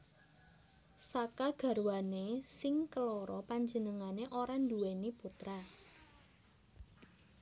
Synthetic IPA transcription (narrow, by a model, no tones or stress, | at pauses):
sakaɡ̥a̤ɾwanesɪŋkəloɾɔpaɲd͡ʒənəŋaneʔoɾanduweniput̪ɾa